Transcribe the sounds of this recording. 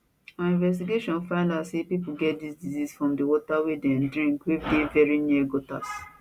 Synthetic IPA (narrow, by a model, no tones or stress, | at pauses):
ãnĩnvɛstiɡeʃɔ̃nfãɪ̃ndasepipuɡɛt̚disdizisfɹɔ̃mdewɔtawedɛ̃ndɹĩŋkwedevɛɹiniɡota̰s